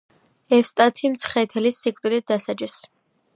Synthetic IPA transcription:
ɛfst̪ʼat̪ʰimt̪sʰχɛt̪ʰɛlisːikʼt̪ʼilit̪̚d̪asad͡ʒis

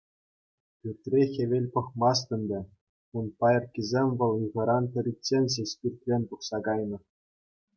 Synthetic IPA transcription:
pʲyrʲt̪ʲrʲexʲeʋʲelʲpɤ̆χmɑs̬t̪ʲɤ̆nʲd̪ʲɘ̆ | unpɑjɤ̆rkʲizʲemʲʋɤ̆lˠɯɣɤ̆ɾɑntʲɘ̆ɾʲit͡sːenʲzʲesʲpʲirt̪ʲrʲenʲpuχsɑɡɑjnɤ̆

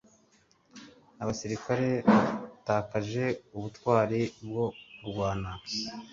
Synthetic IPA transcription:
aβasiɾikaɾe̞βataːkaʒe̞uβutwaːɾebɡo̞uɾɡwaːna

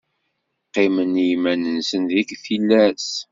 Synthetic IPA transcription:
qːemənjmænənsənðikθilːæs

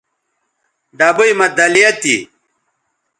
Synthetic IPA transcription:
ɖabujmɐd̪ɐlijɐt̪ḭ

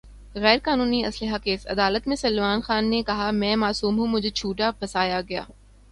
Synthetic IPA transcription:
ɣɛːɾkaːnuːniɐ̰slɪɦakeːsɐ̰d̪aːlət̪mẽsɐlʋaːnxaːnːekɐɦamɛ̃ːmaːsuːmɦũmʊ̃d͡ʑʱt͡ɕʰuːʈapɐsaːjaɡɐja̰ː

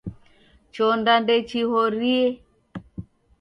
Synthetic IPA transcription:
t͡ʃɔndandɛt͡ʃiɦɔɾiɛ

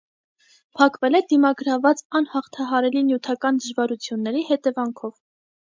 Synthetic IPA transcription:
pʰɑkvɛlɛd̪imɑɡəɾɑvɑt͡sɑnhɑχt̪ʰɑɦɑɾɛlinjut̪ʰɑkɑnd̪əʒvɑɾut͡sʰjunːɛɾihɛt̪ɛvɑŋkʰɔv

